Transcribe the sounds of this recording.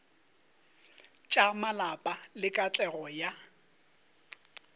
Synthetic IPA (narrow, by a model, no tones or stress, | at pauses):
t͡ʃʼamalapʼalɪkʼat͡ɬʼɛɣɔja